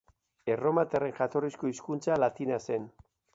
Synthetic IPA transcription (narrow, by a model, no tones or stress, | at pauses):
eromat̪ereŋʝat̪o̞riskoiskunt͡salat̪inase̞n